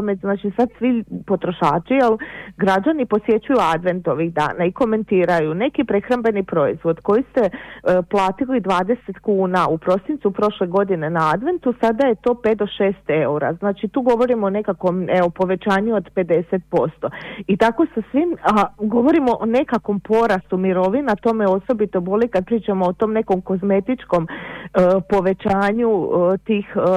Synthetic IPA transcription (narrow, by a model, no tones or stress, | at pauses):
meznaːt͡ʃisad̪sʋipo̞t̪ɾo̞ʃaːt͡ʃijelˠɡɾad͡ʒanipo̞sje̞t͡ɕujuad̪ʋe̞nt̪oʋiɣd̪a̰ːnaiko̞me̞nt̪iːɾajune̞kipɾe̞xɾambe̞nipɾo̞izʋo̞d̪ko̞jist̪e̞plˠaːt̪ilid̪ʋaːd̪e̞se̞t̪kuːnaupɾo̞sint̪supɾo̞ʃle̞ɡo̞d̪ine̞naad̪ʋe̞nt̪usad̪aje̞t̪o̞ːpet̪d̪o̞ʃe̞ːst̪e̞uɾa̰znaːt͡ʃit̪uːɡo̞ʋo̞ɾimone̞kakʋo̞meopo̞ʋe̞t͡ʃaːɲuod̪pe̞d̪e̞set̪̚po̞st̪o̞it̪ako̞sasʋimaɡo̞ʋo̞ɾimoʔone̞kakʋo̞mpo̞ɾast̪umiɾo̞ʋinat̪o̞meo̞so̞bit̪o̞bo̞likad̪̚pɾiːt͡ʃamoːt̪o̞ːmne̞ko̞mko̞zme̞t̪it͡ʃko̞m | po̞ʋe̞t͡ʃaːɲut̪iːx